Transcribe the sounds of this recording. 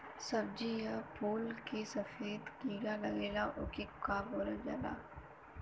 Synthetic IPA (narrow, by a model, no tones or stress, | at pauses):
sɐb̚d͡ʒijapuːlkesɐfeːd̪ɡiːɡalɐɡeːlaʔʊkekaːɡoːɾad͡ʒa̰ːla̰ː